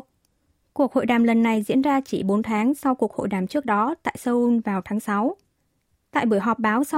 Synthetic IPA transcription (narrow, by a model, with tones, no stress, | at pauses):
ku˨˩ək̚ho̰˧˨jɗaː˨˩mlə˨˩nːa˨˩jzḭ˧˥ənzaː˧t͡ɕi˧˩ɓo˨˦nt̪ʰaː˨˦ŋsa˧wku˨˩ək̚ho̰˧˨jɗaː˨˩mt͡ɕɨ˦˥ək̚ɗɔ˨˦t̪a̰ː˧˨jsəː˧ʔu˧nvaː˨˩wt̪ʰaː˨˦ŋsa˨˦w | t̪a̰ː˧˨jɓɨ˧˩əjɦɔ˨˩p̚ɓaː˨˦wsa˧